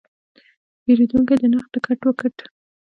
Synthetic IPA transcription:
peɾed̪uŋked̪ənaxd̪əkʰaʈwəkəʈ

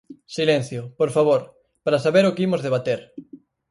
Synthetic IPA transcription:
silen̟θjʊpoɾfaβ̞oɾ | paɾasaβeɾʊkeimʊzðeβ̞at̪eɾ

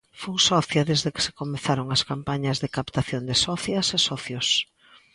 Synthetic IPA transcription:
fuŋsɔθjɐðezðekɪ̥se̥komeθaɾoŋɐskampaɲɐzðɪkapt̪aθjond̪ɪsɔθjɐsesɔθjos

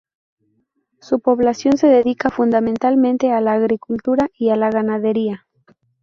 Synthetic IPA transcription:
supo̞βlasjo̞nse̞ðe̞ðikafund̪ament̪almẽnt̪e̞alaːɣɾikult̪uɾaʔialaɣanaðe̞ɾia

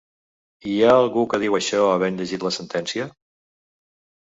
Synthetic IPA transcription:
iaəlˠɣukəðiwəʃɔəβɛnʎəʒit̪ləsənt̪ɛnsiə

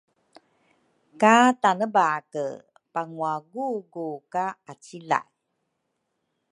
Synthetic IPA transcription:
katanəbakə | paŋuaɡuɡukaat͡sila̰j

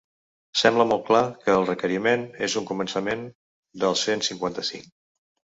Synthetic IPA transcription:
sɛmbləmɔl̚ˠklakəːlˠrəkəɾimenezuŋkumənsəmen | d̪əlˠsensiŋkwant̪əsḭŋk

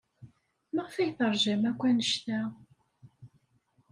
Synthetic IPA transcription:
mæʁəfæjθəɾˤʒæmækʷːænəʃt̪æ

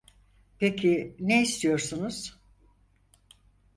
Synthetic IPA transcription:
pʰecʰineist̪ʰijo̞ɾsunuz̥

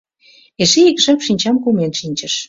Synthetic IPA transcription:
eʃeikʒɑpʃinʲt͡ɕɑmkumenʃinʲt͡ɕə̆ʃ

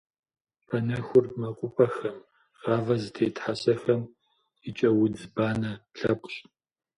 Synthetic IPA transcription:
pʰɐnɐxʷʊrmɐqʷʼʊpʰʼɐxɐm | ʁɑːvɐzɨtʰeːtħasɐxɐm | ɪt͡ʃʼɐwʊdbaːnɐɬɐpʷʼɕʼ

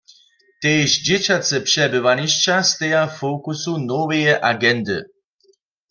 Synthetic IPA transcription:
t̪ejʃd͡ʒɛt͡ɕat͡sɛpʂɛbɨʋaɲiʃt͡ʃast̪ɛjafokusunɔvɛjɛʔaɡɛnd̪ɨ̰

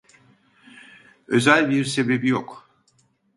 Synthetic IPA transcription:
øzælʲbiɾse̞be̞bijok

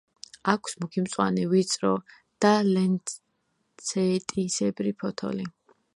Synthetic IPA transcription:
akʷʰsmukʰimt̪sʼwa̰nɛvit̪sʼɾɔ | d̪̥alɛn | sʰɛt̪ʼisɛbɾipʰɔt̪ʰɔ̰li

